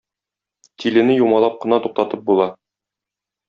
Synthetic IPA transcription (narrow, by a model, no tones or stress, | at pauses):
t̪ʰilɘ̆nɘjumɑlˠɑp̚qɤ̆nɑt̪uq̚t̪ɑt̪ɤp̚bulˠɑ